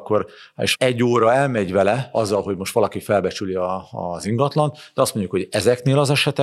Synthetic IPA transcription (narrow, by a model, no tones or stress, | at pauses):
kːo̞ɾ | ḛːʃɛɟːoːɾɒɛlmɛɟvɛlɛɒzːɒlɦo̞ɟmo̞ʃt̪ʋɒlɒkifɛlbɛt͡ʃyliɒ̰ziŋɡɒt̪lɒnt̪d̪ɛɒst̪mo̞ɲɟjukho̞ɟɛzɛkneːlɒzɛʃɛt̪ɛ